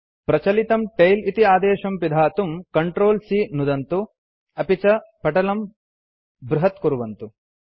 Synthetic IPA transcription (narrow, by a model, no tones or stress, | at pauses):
pɾɐt͡ʃɐlit̪ɐmʈɐjlit̪iaːd̪eːʃɐmpid̪ʱaːt̪umkɐɳʈɾoːlsiːnud̪ɐnt̪u | ɐpit͡ʃɐpɐʈɐlɐm | bɾuɦɐt̪̚kuɾuʋɐnt̪u